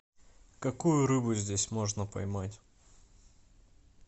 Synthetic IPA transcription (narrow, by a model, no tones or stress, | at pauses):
kɐkujʊɾɨbʊzʲdʲesʲmo̞ʐnəpɐ̰jmatʲ